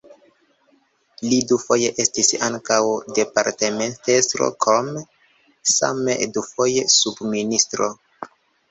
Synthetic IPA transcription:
lidufo̞je̞ʔe̞stisaŋkawde̞paɾteme̞ntestɾo̰kom | sa̰medufo̞je̞subministɾo

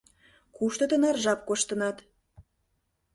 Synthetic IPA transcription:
kuʃt̪ə̆t̪ənɑrʒɑp̚koʃt̪ə̆nɑt̪

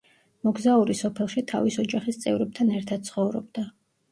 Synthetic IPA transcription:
mɔɡzauɾisɔpʰɛlˠʃit̪ʰa̰visɔd͡ʒaχist̪sʼɛvɾɛb̚t̪ʰanɛɾt̪ʰad̪̚t̪sʰχɔvɾɔbd̪̥a

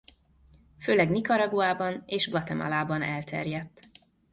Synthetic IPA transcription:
føːlɛɡnikɒɾɒɡuaːbɒneːʒblɒt̪ɛmɒ̰laːbɒnɛlt̪ʰɛ̰rjɛt̪ː

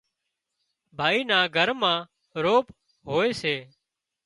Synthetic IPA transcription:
bʱaːiːnãːɡʱəɾmãː | ɾoːp | ɦoːeːseː

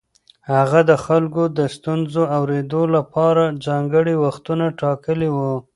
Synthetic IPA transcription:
haɣad̪əxalkod̪əst̪unzoawɾed̪olapɑɾad͡ʒɑŋɡəɽiwaxt̪unaʈɑkəliwu

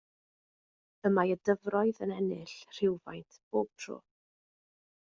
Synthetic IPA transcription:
əmajədəvrɔɨðənɛnɪɬr̥ɪwva̰jntʰb̥oːb̥̚pʰr̥o̰ː

